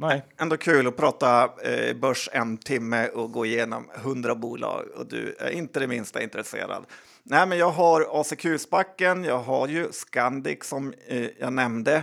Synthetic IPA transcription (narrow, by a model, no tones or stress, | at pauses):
nɛɛnd̪oːkʰʉ̟ːlɔpʰɾɑːt̪abœʂɛnt̪ʰɪmːəɔɡoːɪjeːnɔ̰mɦɵnd̪ɾabuːlɑ̰ːɡɔ̰d̪ɵ̰æ̰ɾɪnt̪əd̪ɛmɪnst̪a̰ɪnt̪ɾɛsḛːɾa̰d̪ | nɛɪmɛnjɑːɡɦaɾɑːsɛkʰʉ̟ːsbakːənjɑːɡɦaɾjɵskand̪ɪ̰ksɔmjɑ̰ːɡnɛmd̪ə